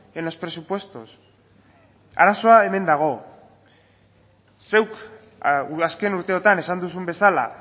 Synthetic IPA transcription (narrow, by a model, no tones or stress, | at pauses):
eno̞spɾe̞supwe̞st̪os | a̰ɾaso̞ae̞me̞nd̪aɣ̞o̞ | se̞wk | aske̞nuɾt̪e̞ot̪ane̞sand̪usumbe̞sala̰